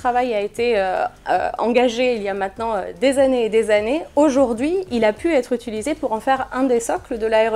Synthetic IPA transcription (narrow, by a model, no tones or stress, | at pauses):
t̪χavajaet̪eøø̰ɑ̰̃ɡaʒeiljamɛ̃t̪nɑ̃ø̰d̪ezaneːd̪ezaneoʒuʁd̪ɥiilapʰyɛt̪χyt̪ilizepuʁɑ̃fɛʁɛ̃d̪esɔkləd̪əlaɛʁ